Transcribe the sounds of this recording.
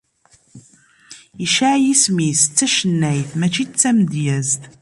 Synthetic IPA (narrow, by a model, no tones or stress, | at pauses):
iʃaʕjismist͡sːæʃənːæjθmæt͡ʃːit͡sːæmd̪jæzt̪